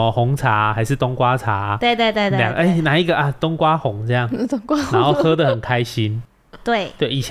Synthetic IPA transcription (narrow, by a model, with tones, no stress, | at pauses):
hʊ˨˦ŋt͡sʰa˨˦xa˧˦ɪʂɻ̩˥˧t̪ʊ˥ŋkwa˦˥t͡sʰa˨˩˦we˥˧t̪we˧t̪we˥˧ljŋʔe˥˩nã˨˩i˦˥ɡə˨ʔa˨˩t̪ʊ˦˥ŋkwa˦xʊ˨˩˦ŋt͡sɤ˥˦ja˥˩ŋ˥ŋkwa˦nnã˧˦xo˥˩ʊhɤ˧˦d̪ə˨hə˨˩nkʰa˦ɪɕi˦n | t̪we˥˩t̪we˥˩i˨˩ɕʰ